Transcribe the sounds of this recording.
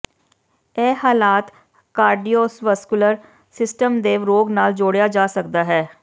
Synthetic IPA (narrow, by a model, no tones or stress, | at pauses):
ɛːhaːlaːt̪ | kaːɾɖioːsʋəskʊləɾ | sɪsʈəmd̪eːʋɾoːɡnaːld͡ʒoːɽjaːd͡ʒaːsəkd̪aːɦɛː